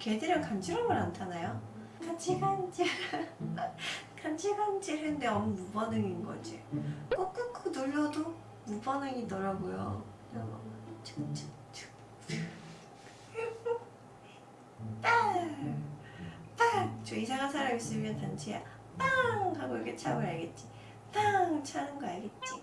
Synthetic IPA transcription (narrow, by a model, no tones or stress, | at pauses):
kedeɾjʌkand͡ʑʰiɾʌmɯɾantʰanajo | kand͡ʑʰiband͡ʑi | kand͡ʑʰiband͡ʑiɾɯndeʌmumubʌnɯŋinɡʌ̰d͡ʑikʌk͈ɯkʰonoʎːʌdo | mubʌnɯŋitʌɾaɡojo̰kɯɲʌt͡ɕʰt͡ɕ | t͡ɕɯ̥ | t͈a | t͈ak̚t͡ɕʌisʰaɡasʰaɾaɡis͈ɯmʌnkant͡ɕʰeja̰ | taŋaɡoikʰet͡ɕʰaɡɯɭaɭɡet̚t͡ɕ͈i | t͈aŋt͡ɕʰanɯnɡʌaɭɡet̚t͡ɕ͈i